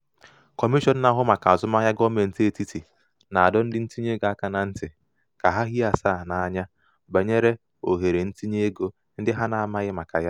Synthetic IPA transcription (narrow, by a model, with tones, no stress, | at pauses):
kɔ˨mi˦ʃɔ˦˨n̩˦na˨ɦʊ˦ma˨ka˨a˨zʊ˦ma˦ɲa˦ɡɔ˦me˨n̩˦ti˦e˦˨ti˦ti˨ | na˨a˨dɔ˦n̩˦dɪ˦n̩˦ti˦ɲe˦ɡa˦ka˨na˨n̩˦tɪ˨ | ka˨ɦa˦ɦi˦a˨saː˦˨na˨a˨ɲa˦ | ba˨ɲe˦ɾe˦ | o˨ɦe˨ɾe˨n̩˦ti˦ɲe˦e˦ɡo˦ | n̩˦dɪ˦ɦa˦na˨a˨ma˦ɣɪ˦ma˨ka̰˨ja˦